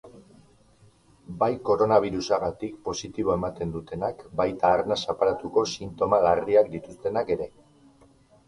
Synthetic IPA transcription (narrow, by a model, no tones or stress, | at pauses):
bajko̞ɾo̞naβ̞iɾusaɣat̪ikpo̞sit̪iβ̞oe̞mat̪e̞nd̪ut̪e̞nakbajt̪aːɾnasapaɾat̪uko̞sint̪o̞malariakd̪it̪ust̪e̞nake̞ɾe̞